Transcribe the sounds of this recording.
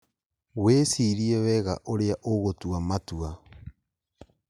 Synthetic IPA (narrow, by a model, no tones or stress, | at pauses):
wesiɾiɛwɛɣa̰ʔoɾeaʔoɣotuamatua